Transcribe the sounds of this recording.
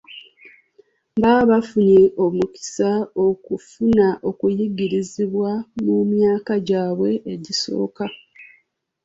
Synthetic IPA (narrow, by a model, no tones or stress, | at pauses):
baβafuɲeʔo̞muki̥sao̞kufunaʔo̞kujiɡiɾiziβwamumjaːkaɟaːβwe̞ʔeɟiso̞̰ːka